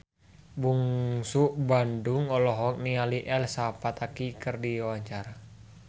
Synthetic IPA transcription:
buŋsuʔbandʊŋɔlɔɦɔk̚nialiʔɛlsapat̪akikərdiawaɲt͡ʃaɾa

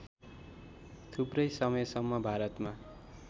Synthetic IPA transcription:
t̪ʰubrʌjsʌmʌjsʌmːʌbʱaɾʌt̪ma

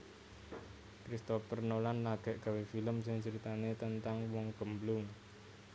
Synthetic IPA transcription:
kɾist̪ofərnolanlaɡ̥ɛ̤ʔɡ̥a̤wefiləmsɪŋt͡ʃəɾit̪anet̪ənt̪aŋwɔŋɡ̥ə̤mblʊŋ

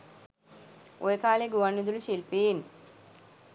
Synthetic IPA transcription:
ʔojekʰaːleɡuʋɐnːud̪uluʃilpiːn

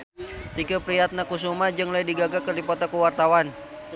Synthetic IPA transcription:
t̪ikəpɾiat̪̚nakus̬umad͡ʒɨŋlajdiɡaɡakərdipɔt̪akuwart̪awan

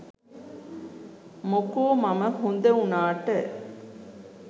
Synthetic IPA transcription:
mokoːmɐmɐhund̪ɐunaːʈə

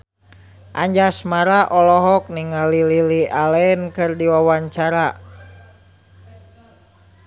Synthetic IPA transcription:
ʔa̰ɲd͡ʒasmaɾaʔɔlɔɦɔk̚niŋalililialɛnkɨrdiwawaɲt͡ʃaɾa

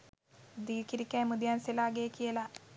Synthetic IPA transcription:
d̪iːkiɾikʲːajmud̪jaːnsilaːɡeːkijɐla

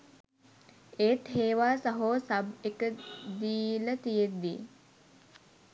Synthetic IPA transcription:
eːt̪ɦeːʋaːsɐɦoːsɐbekəd̪iːlət̪ijed̪d̪i

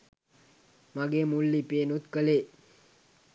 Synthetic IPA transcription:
maɡeːmulːipeːnut̪kəle

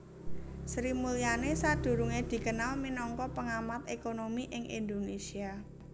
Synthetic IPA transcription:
sɾimulianesad̪̥ṳɾuŋed̪̥i̤kənalminɔŋkɔpəŋamat̪ekonomiʔɪŋʔḭnd̪onesia

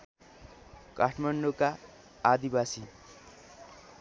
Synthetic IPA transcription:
kaʈʰmaɳɖokaː | d̪ibasi

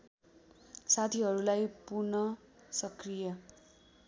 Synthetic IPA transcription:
sat̪ʰiɦʌɾulajpurnʌ | sʌkrijʌ

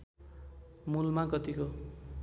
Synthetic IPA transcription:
mulmakʌt̪iko

